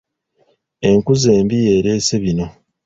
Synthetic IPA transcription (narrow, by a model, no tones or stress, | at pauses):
e̞ŋkuzeːmbije̞ːɾe̞ːse̞βino̞